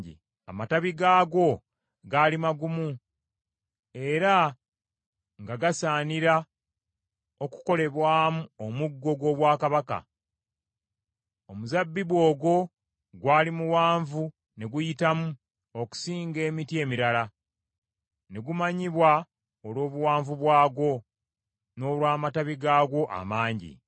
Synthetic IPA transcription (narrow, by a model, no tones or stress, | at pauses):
ḭ | a̰mataβiɡaːɡo̞ | ɡalimaɡumu | e̞ɾa | ŋɡaɡasaːniɾa | o̞ku̥ko̞le̞βwaːmuomuɡːo̞ɡo̞ːβwaːkaβaka̰ | omuzabːiβwo̞ːɡo̞ | ɡwaːlimuwaːɱvu | ne̞ɡujitamu | o̞ku̥siːŋɡe̞ːmitie̞ːmiɾala | ne̞ɡumaɲiβwa | olwo̞ːβuwaːɱvuβwaːɡo̞ | no̞ːlwaːmataβiɡaːɡo̞ʔa̰maːɲɟḭ